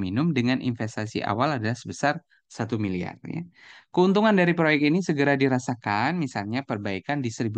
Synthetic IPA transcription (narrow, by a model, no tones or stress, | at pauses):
minʊmdəŋanʔḭnfɛst̪asḭʔa̰waladalahsəbəsar | sat̪umilia̰rja̰kəunt̪uŋandaɾipɾojɛk̚t̪inisəɡəɾadiɾasakanmisalɲapərbaikandist̪ɾibu